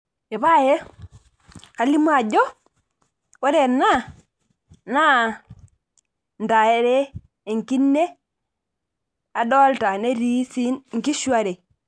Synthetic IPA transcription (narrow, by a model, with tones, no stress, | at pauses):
je˨βa˦je˦ | ka˨li˦mu˦a˨ɟo˦ | we˦ɾe˨nːa˦˨ | na˦ | nda˨e˦ɾe˦ | e˨ŋki˦nːe˦ | a˨dɔ˦lta˨ne˦ɾi˦si˦nŋ˨ki˦ʃu˦a˨ɾe˨